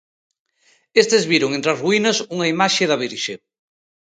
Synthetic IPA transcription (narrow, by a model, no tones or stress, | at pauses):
est̪ezβiɾoŋẽnt̪ɾɐzruinɐsuŋɐimaʃeðɐβ̞iɾʃe